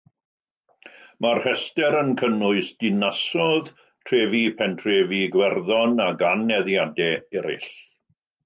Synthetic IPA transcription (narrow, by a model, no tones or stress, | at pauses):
marhɛstɛɾənkʰənʊɨsd̥ɪnasɔð | tʰreːvipʰɛntʰreːviɡwɛrðɔnaɡanːɛðjadɛɛɾɪ̰ɬ